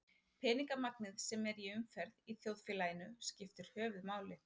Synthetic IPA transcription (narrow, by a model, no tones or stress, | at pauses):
pʰɛːniŋkamaknɪðsɛmɛɾɛʏmfɛɾðiθjoːwðfɪːlajɪnʏscɪft̪ɪɾ̥hœːvʏðmaːwlɪ